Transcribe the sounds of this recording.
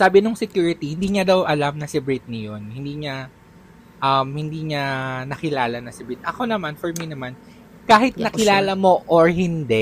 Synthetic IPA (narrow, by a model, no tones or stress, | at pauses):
saːbɪnʊŋsɛkjuːɾɪt̪ihɪnd̪iːɲɐd̪ɐwʔɐlamnɐsɪbɹɪt̪̚nɐjo̞nhɪnd̪iːɲa | ʔɐmhɪnd̪iːɲanɐkɪlaːlɐnɐsɪbɾɪt̪̚ʔɐko̞nɐmanfɐɹminɐman | kaːɦɪt̪̚nnɐkɪlaːlɐmo̞ʔoɹhɪnd̪ɛ